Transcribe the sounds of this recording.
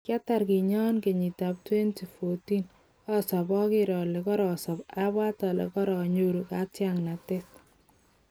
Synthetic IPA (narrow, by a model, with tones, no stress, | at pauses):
kja˦ta˨ɾki˨ɲɔ˦nke˨ɲi˨tap̚twe˦nti˨fo˨ti˦n | ɔ˦sɔ˨bɔ˦kɪ˦ɾɔ˨lɛ˨kɔ˦ɾɔ˨sɔ˨pa˦bwa˦tɔ˨lḛ˨kɔ˦ɾɔ˨ɲoɾu˨ka˦tja˨ŋna˨tɪs